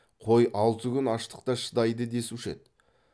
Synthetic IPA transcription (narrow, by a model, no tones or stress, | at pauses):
qʰojʔɑlˠt̪əkʲʰʏnɑʃt̪ə̥q̚t̪ɑʃə̥d̪ɑjd̪əd̪e̞sʃe̞̰t̪